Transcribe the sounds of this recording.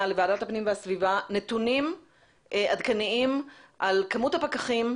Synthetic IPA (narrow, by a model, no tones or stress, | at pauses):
alevaːdathapnimveasvivanet̪unim | ʔadkaniimʔalkamuthapakaχim